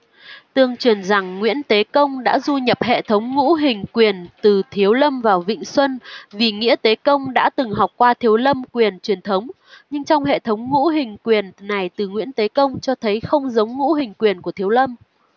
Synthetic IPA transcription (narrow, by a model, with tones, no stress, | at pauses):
t̪ɨ˧˩əŋt͡ɕwi˨˩ənza˨˩ŋːwḭ˧˥ənt̪e˨˦kə˧wŋ͡mɗa̰ː˧˥zu˧ɲə˨˩p̚hḛ˧˨t̪ʰə˨˦wŋ͡mŋṵ˧˥ɦï˨˩ŋ̟kwi˨˩ənt̪ɨ˨˩t̪ʰi˨˦əwlə˧mvaː˨˩wvḭ˧˨ŋ̟swə˧nvi˨˩ŋḭ˧˥ət̪e˨˦kə˧wŋ͡mɗa̰ː˧˥t̪ɨ˨˩ŋɦa˨˩wk͡p̚kːwaː˧t̪ʰi˨˦əwlə˧mkwi˨˩ənt͡ɕwi˨˩ənt̪ʰə˨˦wŋ͡m | ɲɨ˧ŋt͡ɕɔ˧wŋ͡mɦḛ˧˨t̪ʰə˨˦wŋ͡mŋṵ˧˥ɦï˨˩ŋ̟kwi˨˩ənːa˨˩jt̪ɨ˨˩ŋwḭ˧˥ənt̪e˨˦kə˧wŋ͡mt͡ɕɔ˧t̪ʰə˨˦jxə˧wŋ͡mzə˨˦wŋ͡mŋṵ˧˥ɦï˨˩ŋ̟kwi˨˩ənku˧˩ət̪ʰi˨˦əwlə˧m